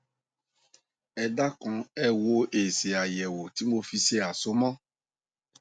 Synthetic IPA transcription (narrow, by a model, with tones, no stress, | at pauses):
ɛ˧da˦kɔ̃˧ɛ˦wo˦e˨se˨a˨jɛ˨wo˨t̪i˨˦mo˦fi˧si˦ɛ˦a˨so˨˦mɔ̃˦